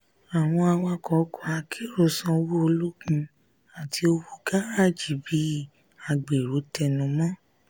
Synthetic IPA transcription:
a˨w̃ɔ̃˧a˧wa˧kɔ˨˦kɔ˦a˧kʰe˦ɾo˦˨sã˧wu˦o˧lu˦ɡũ˧ | a˨tʰi˧o˧wu˦ɡa˦a˦˨d͡ʒi˨˦bi˨˦˨ | a˨ɡ͡be˨ɾo˨˦tɛ˧nũ˧mɔ̃˦

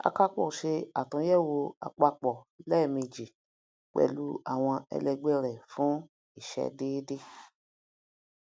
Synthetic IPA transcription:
a̰˧ka˦k͡pɔ̰˦˨ʃe˧a˨tũ˨˦jɛ˦˨wo˧a̰˧k͡pa˧k͡pɔ˨ | lɛ˦˨mĩ˧d͡ʒi˨ | k͡pɛ̰˦˨lu˨˦a˦˨w̃ɔ̃˧ɛ̰˧lɛ˧ɡ͡bɛ˦ɾɛ˨fũ˨˦ | i˦˨ʃɛ̰˧deː˦de˦

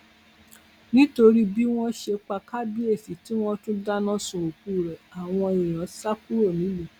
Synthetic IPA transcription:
nĩ˦to˧ɾi˦bi˦w̃ɔ̃˦ʃe˧k͡pa˧ka˦bi˦e˦˨fi˨ti˦w̃ɔ̃˧tũ˦da˦nɔ̃˦sũ˨o˨ku˦˨ɾɛ˨a˨w̃ɔ̃˧i˨j̃ã˨˦sa˦ku˦ɾo˦˨nĩ˨˦le˦˨

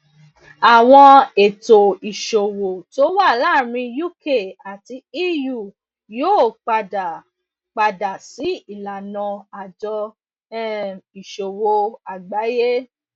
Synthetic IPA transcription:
a˨w̃ɔ̃˧e˨to˨i˨ʃo˨wo˨to˧˦wa˦˨la˦˨ɾ̃ĩ˧ju˦˨ke˦˨a˨ti˧i˦ju˦˨ | joː˦˨k͡pa˧da˨ | k͡pa˧da˨si˨˦i˦˨la˨nã˧a˨d͡ʒɔ˧˦ | i˨ʃo˨wo˨a˨ɡ͡ba˨˦je˦

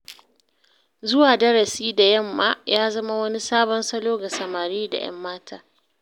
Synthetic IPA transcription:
zʊ˦waː˨dɐ˦ɽɐ˨siː˦da˨jɐ˦˨mːa̰ː˦jaː˦zɐ˦ma˦wɐ˦ni˦saː˦bɔ˦nsɐ˦loː˦ɡa˨sɐ˨maː˨ɾiː˦da̰˨j̰ɐ̰˦mːaː˦tʰaː˦

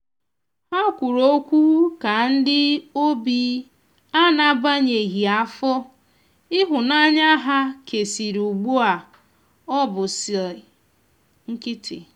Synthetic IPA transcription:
ha˦kʷu˨ɾo˦kʷu˦u˦ka˨n̩˦dɪ˦o˦bi˦ | a˦na˨ba˦ɲe˨ɦi˨a˦fɔ˦ | ɪ˦ɦʊ˨na˦ɲa˦ɦa˦ke˨si˨ɾu˨ɡ͡bu˦a˨ | ɔ˦bʊ˨si˨l | ŋ̩˦kɪ˦tʰɪ̰˨

